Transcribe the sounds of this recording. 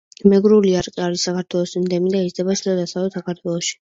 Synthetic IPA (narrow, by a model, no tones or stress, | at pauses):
mɛɡɾuliaɾqʼiaɾisakaɾt̪ʰwɛlˠɔsimd̪ɛmid̪aizd̪ɛbaʃd̪ad̪asavɛsakʰaɾt̪ʰwɛlˠɔʃi̥